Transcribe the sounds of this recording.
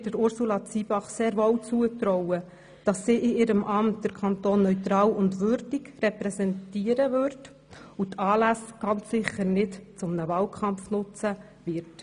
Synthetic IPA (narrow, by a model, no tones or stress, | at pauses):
dəɾʊɾsulɑt͡sib̥ɑχseːɾʋɔwt͡suət̪ɾɔʊə | d̥ɑsːiːʔɪɪɾəmʔɑmtd̥əɾkʰɑnt̪oːnːœʏtɾɑːlʊndʋʏɾdiɡrɛpɾɛsɛntiːəɾəvøɾt | utɑːlæsɡ̥ɑnt͡sːɪχːəɾnɪtt͡sʊmnəvɑːlkʰɑmfnʊt͡sə | vɪɾt